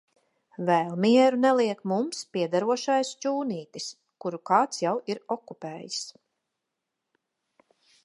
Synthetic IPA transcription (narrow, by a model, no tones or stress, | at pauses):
vɛlˠmiɛɾunɛlˠiɛkmumspiɛd̪aɾuɔʃajst͡ʃuːniːt̪is | kuɾukɑːt̪sjawiɾɔkupeːjis